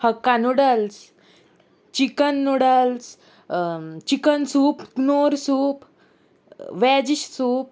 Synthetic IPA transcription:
həkːanuɽəls | t͡ɕikənːuɽəls | t͡ɕikənsuːpnoɾsuːp | ʋɛd͡ʑiɕsuːp̚

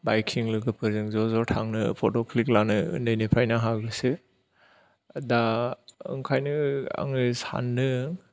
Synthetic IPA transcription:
bajkʰiŋlɯɡɯpʰɯɾzɯŋzɔzɔɾtʰaŋnɯpʰɔtɔkʰliklanɯɯ̰ndɯjnepʰɾajnaɦaɡɯsɯ | daɯ̰ŋkʰajnɯa̰ŋɯsa̰nːɯ

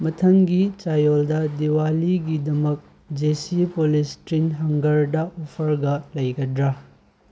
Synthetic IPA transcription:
mɐtʰɐŋɡit͡ʃajoldɐdiwaliɡidɐmɐk̚ | d͡ʒesipolistinɦɐŋɡɐɾdɐopʰɐɾɡɐlɐjɡɐdɾɐ

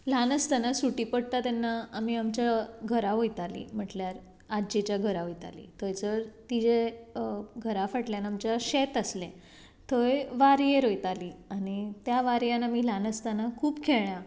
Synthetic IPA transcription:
lanəst̪anasuʈipəɽt̪at̪anːaːmiamt͡ɕjaɡʱəɾaɦojt̪alḭm̤əʈljaɾ | ad͡ʑit͡ɕjaɡʱəɾaɦojt̪a̰lḭt̪ojt͡səɾt̪id͡ʑe | ɡʱəɾafəʈljanamt͡ɕjaɕet̪əslẽ | t̪ojʋaɾjeɾojt̪aliañit̪jaʋaɾjanamilanəst̪anakʰuːpkʰeɭja

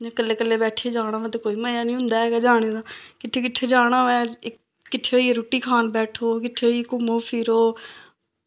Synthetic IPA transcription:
d͡ʒãːkəlːeːkəlːeːbɛːʈʰieːd͡ʒaːɽ̃ãːʋɛ̃t̪eːkoːiːməjaːnĩːɦʊ̃nd̪aːɛːɡaːd͡ʒaːɽ̃ed̪aːkɪʈ̪ʰːeːkɪʈʰːeːd͡ʒaːɽ̃ãːʋɛ̃ːɪ | kːɪʈ̪ʰːeoːieɾoːʈiːkʰaːnbɛːʈʰoːkɪʈʰːeːoːiekʊmoːpʰɪːɾoː

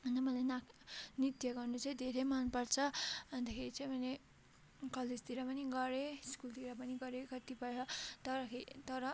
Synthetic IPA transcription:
ʌnd̪amʌlajnanit̪jʌɡʌrnut͡sʌĩd̪ʱeɾemanpʌrt͡sʰʌbʱʌnt̪ʌkʰeɾit͡sʌ̃ĩbʱʌne | kʌled͡zt̪iɾʌpʌniɡʌɾeskult̪iɾapʌniɡʌɾekʌt̪ipʌjʌt̪ʌɾʌket̪ʌɾʌ

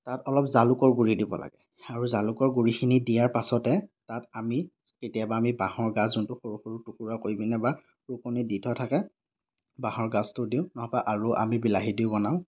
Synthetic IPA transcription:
tatɔlɔp̚zalʊkɔɹɡuɹidibɔ̰la̰ɡɛ | aɹuzalukɔɹɡuɹixinidijaɹpasɔtɛtatami | ketijabaːmibahɔɹɡaszuntʊxoɹuxoɹutukuɹakoibinɛba | ɹukoniditʰɔatʰakɛ | baɦɔɹɡastʊdiʊ̃nɔɦɔpaʔaɹuʔa̰mibilaɦidiʊbɔnaʊ̃

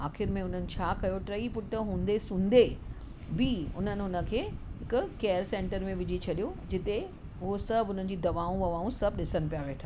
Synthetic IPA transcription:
aːxɪɾmẽʊn̤ənɪ̆t͡ɕʰaːkɐjoʈɾɐipʊʈəɦũːnd̪esũːnd̪e | bɪʊn̤ənɪ̆ʊnə̆kʰeːɦɪkʊkeːjəɾsẽːɳʈəɾmẽʋɪd͡ʑit͡ɕʰɐɗijod͡ʑɪt̪e | ʊɦosɐbʱʊn̤ənɪ̆d͡ʑiːd̪ɐʋaːũʋɐʋaːũsɐbʱɗɪsənɪ̆pijaʋeːʈʰː

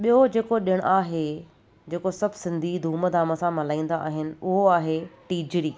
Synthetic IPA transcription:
ɓijod͡ʑeːkoɗiəɽ̃ʔaːɦe | d͡ʑeːkosɐbʱsɪ̃nd̪ʱid̪ʱuːməd̪aːməsãmɐlaːĩːn̆d̪aːɦɪnɪ̆ʊɦoaːɦeʈiːd͡ʑɾiː

